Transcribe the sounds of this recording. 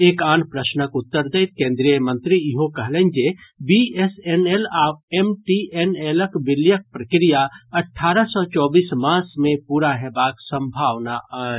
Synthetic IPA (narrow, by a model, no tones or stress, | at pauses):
eːkaːnpɾəsnəkut̪ːəɾd̪ejt̪̚kẽːnd̪ɾijəmə̃nt̪ɾiiɦokəɦlend͡ʒebiesenelaːbemʈiʔeneləkbiljək̚pɾəkɾijaəʈʰːaɾəsɔt͡ʃɔːbismasmẽpuɾaɦebaksə̃mbʱaʋnaʔa